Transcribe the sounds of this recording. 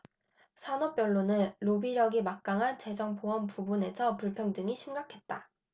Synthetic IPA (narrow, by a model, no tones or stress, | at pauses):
sʰanʌp̚p͈jʌɭːonɯnːobiɾjʌɡimak̚k͈aŋɦant͡ɕe̞d͡ʑʌŋpoʌmpubune̞sʰʌpuɭpʰjʌŋdɯŋiɕʰimɡakʰe̞t̚t͈a